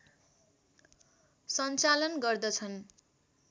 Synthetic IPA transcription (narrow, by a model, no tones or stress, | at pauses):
sʌnt͡salʌnɡʌrd̪ʌt͡sʰʌn